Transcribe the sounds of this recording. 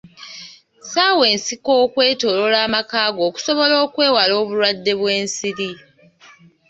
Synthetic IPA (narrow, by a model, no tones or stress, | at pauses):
saːwe̞ːnsiko̞ːkwe̞ːto̞lo̞laːmakaːɡo̞ːku̥so̞βo̞lo̞ːkwe̞ːwalo̞ːβulwadːe̞βweːnsiɾi